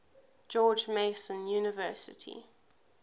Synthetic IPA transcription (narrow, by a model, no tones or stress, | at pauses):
d͡ʒɔːd͡ʒmeɪsə̃njuːnɪvɜˑsɪ̰tʰḭ